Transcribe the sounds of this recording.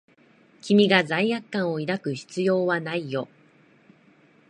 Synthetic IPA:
kʲimʲiɡazaijakːãɰ̃o̞iɾakɯ̟çi̥t͡sɨjo̞ːβanaijo̞

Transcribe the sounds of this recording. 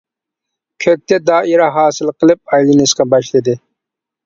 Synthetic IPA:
kʲʰøk̚ʲt̪ɛd̪ɑːʔiɾɑɦɑːsɨlˠqʰəlˠɨp̚ɑjlˠinɨsqɑbɑʃlˠɨd̪ɨ

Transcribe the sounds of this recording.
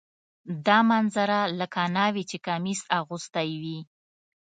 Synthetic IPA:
d̪ɑmanzaɾalakɑnɑwit͡ʃekamisɑɣust̪ajwi

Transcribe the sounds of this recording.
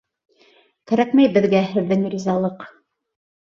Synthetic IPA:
kæɾækmæjbɘ̆ðɡæhɘ̆ðːɘŋɾʲizɑlˠɤq

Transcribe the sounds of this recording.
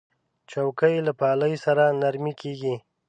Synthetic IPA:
t͡ʃawkəjlapɑːləjsaɾanaɾmikʰeɡi

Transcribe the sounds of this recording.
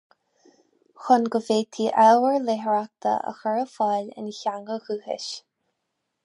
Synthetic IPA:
xʊnɡəveːt̪ʰiːʔɛwəɹleɦəɹak̚t̪ʰə̰ʔə̰xəɹəfɑlɪ̰nçaŋəɣuːhɪ̰ʃ

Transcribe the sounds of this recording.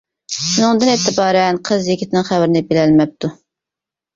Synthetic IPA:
ʃɪnɨŋʊnd̪ɨnet̪ʰːɪbɑːɾɛnqʰəzjekʲʰit̪ʰɪnɪŋχæwɾɪnɪbilɛlmɛp̚t̪ʰu

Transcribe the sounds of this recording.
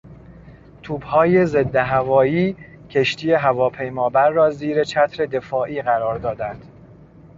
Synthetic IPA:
t̪ʰuːbhɒːje̞ze̞d̪ːeɦævɒːjiː | cʰe̞ʃt̪ʰiːjeɦævɒːpʰe̞jmɒːbæɾːɒːziːɾe̞t͡ʃʰæt̪ʰɾe̞d̪e̞fɒːʔiːɣæɾɒːɾd̪ɒːd̪ænd̪̥

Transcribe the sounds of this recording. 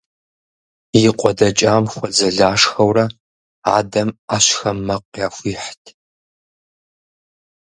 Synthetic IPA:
jɪqʷʼɔdɐt͡ʃʼaːmxʷɔd͡zɐɮaːʂxɐwrɐ | a̰ːdɐmaːɕxɐmːɐqʷjaːxʷiːħtʰ

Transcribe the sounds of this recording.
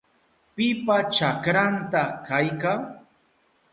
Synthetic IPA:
pɪpat͡ʃakɾant̪akajkaŋ

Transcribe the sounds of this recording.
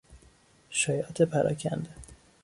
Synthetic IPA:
ʃɒːjɒːt̪ʰepʰæɾʔɒ̰ːcʰæ̰nd̪e

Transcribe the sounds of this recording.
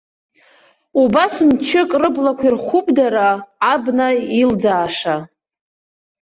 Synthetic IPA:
ubasmt͡ʃʰɪkʼrɨblakʷʰirχʷʊpʼdaɾaːbnaild͡zaːʂa

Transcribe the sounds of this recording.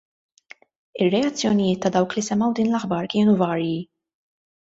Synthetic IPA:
ɪrːɛɐt͡sːjɔnɪjɪːt̪ːɐd̪ɐwklisɛmːɐwd̪iːnlɐħbɐɾkɪːnuvɐːɾji

